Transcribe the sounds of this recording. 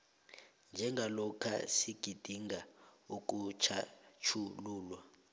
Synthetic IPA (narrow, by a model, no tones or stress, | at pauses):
nd͡ʒʱɛŋɡʱalɔkʰa̰siɡ̥ʱid̥ʱiŋɡauk̬ʼut͡ʃʰat͡ʃʰuluːlwa